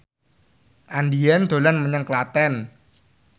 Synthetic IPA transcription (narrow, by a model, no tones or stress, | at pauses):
ʔandiɛnd̪̥o̤lanməɲəŋklat̪ɛn